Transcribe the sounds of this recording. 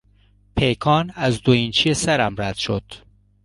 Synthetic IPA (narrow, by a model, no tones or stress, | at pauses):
pʰejkʰɒːnæzd̪oint͡ʃʰijesæɾæmɾæd̪̥ʃod̪̥